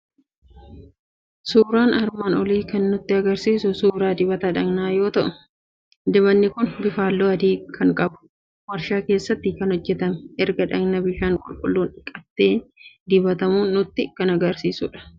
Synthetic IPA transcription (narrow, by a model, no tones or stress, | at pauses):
suːɾaːnɐɾmaːnɔliːkɐnːʊt̪ːɪɐɡɐɾsiːsʊsuːɾaːd̪ɪbɐt̪ɐᶑɐɡnaːjo̞ːt̪ɐʔʊ | d̪ɪbɐnːɪkʊnbɪfaːlːoːɐd̪iːkʰɐŋkʼɐbʊ̥ | wɐɾʃaːke̞ːsːɐt̪ːɪkɐnhɔd͡ʒːɛt̪ɐmɛʔɛɾɡɐᶑɐɡnɐbɪʃaːŋkʼʊ̰lkʼʊ̰lːuːnᶑɪkʼɐt̪ːe̞ːd̪ɪbɐt̪ɐmuːnʊt̪ːɪkɐnɐɡɐɾsiːsʊᶑɐ̥